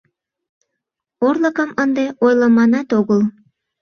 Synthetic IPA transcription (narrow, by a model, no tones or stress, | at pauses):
orləkəmənd̪eʔojləmɑnɑt̪oɣəl